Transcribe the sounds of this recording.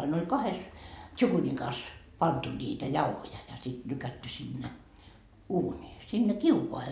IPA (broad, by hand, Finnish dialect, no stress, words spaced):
ɑin olʲ kɑhes tʃukunikɑs pɑntu niːtæ jɑuhojɑ jɑ sit lykætːy sinːe uːnʲiː sinːe kiukoɑhe